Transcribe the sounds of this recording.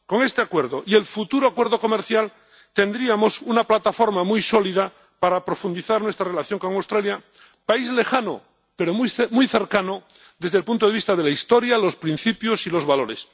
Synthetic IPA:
ko̞ŋe̞st̪eakwe̞ɾðoʔie̞lfut̪uɾoakwe̞ɾðo̞ko̞meɾθjal | t̪e̞nd̪ɾiamo̞sunaplat̪afo̞ɾmamujso̞lið̞a | paɾapɾo̞fund̪iθaɾnwe̞st̪ɾarelaθjo̞ŋko̞ŋawst̪ɾalja | paizle̞xano̰ | pe̞ɾomjmujθe̞ɾkano | ðe̞zðelpunt̪oð̞eβist̪aðe̞laist̪oɾjalo̞spɾĩn̟θipjosilo̞zβalo̞ɾes

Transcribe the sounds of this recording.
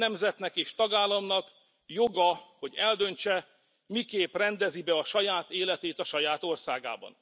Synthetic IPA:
ɛmzɛt̪nɛkeːʃt̪ɒɡaːlːɒmnɒk | joɡɒho̞ɟɛld̪ø̞nt͡ʃɛ | mikeːprɛnd̪ɛzibɛɒʃɒjaːt̪eːlɛt̪eːt̪ɒʃɒjaːt̪o̞rsaːɡa̰ːbɒ̰n

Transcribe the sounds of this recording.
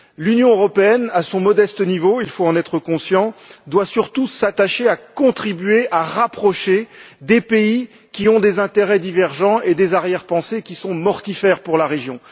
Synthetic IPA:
lynjɔ̃øʁɔpeɛnasɔ̃mɔd̪ɛst̪ənivoilfoɑ̃nɛt̪χəkɔ̃sjɑ̃d̪wasyʁt̪usat̪aʃeakɔ̃t̪χibɥeʔaʁapχɔʃed̪epei | kʲiɔ̃d̪ezɛ̃t̪eʁɛd̪ivɛʁʒɑ̃ed̪ezaʁjɛʁpɑ̃sekʲisɔ̃mɔʁt̪ifɛʁpuʁlaʁeʒjɔ̃

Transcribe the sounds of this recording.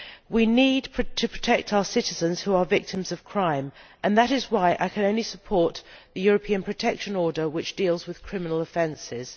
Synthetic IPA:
winid̚pʰtʰɨpʰɹ̥ətʰɛk̚tʰaʊə˞sɪɾɨzə̃nz̥huə˞vɪk̚tʰɨ̃mzʌv̥kʰɹ̥ãɪ̃mʔɨ̃nðəɾɨzwaɪʔa̰ɪkʰɨ̃nõʊ̃nlisəpʰɔɹt̪ðɨjʊɹəpʰĩɨ̃npʰɹ̥ɨtʰɛkʃɨ̃nɔɹdə˞wɨt͡ʃd̥ilˠzwɨð̥kʰɹ̥ɪmənl̩ˠəfɛ̃nsɪz̥

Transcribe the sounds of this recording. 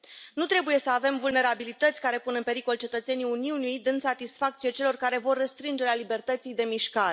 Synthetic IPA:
nut̪ɾe̞buje̞səave̞mvulne̞ɾabilit̪ət̪sʲkaɾe̞punɨnpe̞ɾiko̞lt͡ʃe̞t̪ət̪se̞nijuniunijd̪ɨnsat̪isfak̚t̪sijet͡ʃe̞lo̞rkaɾe̞vo̞rːest̪ɾɨnd͡ʒe̞ɾealibe̞rt̪ət̪sijd̪e̞miʃkaɾe

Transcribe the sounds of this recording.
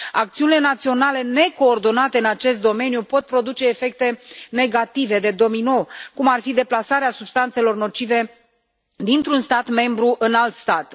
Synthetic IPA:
akt̪siunilenat̪sio̞nale̞ne̞ko̞ːrd̪o̞nat̪e̞ɨnat͡ʃe̞st̪̚d̪o̞me̞nijupo̞t̪̚pɾo̞d̪ut͡ʃe̞ːfe̞k̚t̪e̞ne̞ɡat̪ive̞d̪e̞d̪o̞mijno̞wkumarfid̪e̞plasaɾeasubst̪ant̪se̞lo̞rno̞t͡ʃive̞ | d̪int̪ɾunst̪at̪me̞mbɾuʔɨnalt̪st̪at̪

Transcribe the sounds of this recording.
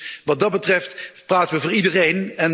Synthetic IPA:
ʋɑt̚dɑd̚bətrɛftpraːtənʋəvʊːɹidərejnɛn

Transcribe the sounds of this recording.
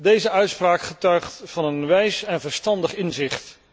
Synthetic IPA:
dejzəœɥtspraːkχətœɥχtfɑnənʋɛjsɛnvəɹstɑndəχɪnzɪχt

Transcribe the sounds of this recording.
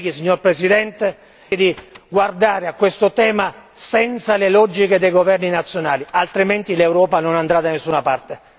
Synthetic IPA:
ɡisiɲːorpɾesid̪ɛnt̪e | d̪iɡward̪aːɾeakːwest̪ʊt̪ɛːmasɛnt̪salelɔd͡ʒːiked̪ejɡovɛrninat̪sːjonaːlialt̪ɾiment̪ilewɾɔːpanonand̪ɾad̪anesːunapart̪e

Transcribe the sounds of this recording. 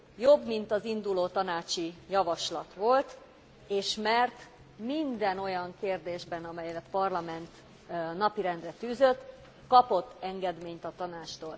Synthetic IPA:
jo̞bmint̪ɒzind̪uloːt̪ɒnaːt͡ʃijɒvɒʃlɒt̪ʋo̞lt̪ | eːʃmɛrt̪ | mind̪ɛno̞jɒŋkeːrd̪eːʒbɛnɒmɛjlɛt̪pɒrlɒmɛnt̪ | nɒpiɾɛnd̪rɛt̪yːzø̞t̪ː | kɒpo̞t̪ːɛŋɡɛd̪meːɲt̪ɒt̪ɒnaːt͡ʃt̪oːl

